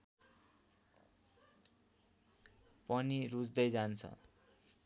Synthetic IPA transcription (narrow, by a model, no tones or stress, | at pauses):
pʌniɾud͡zd̪ʌjd͡zant͡sʰʌ̰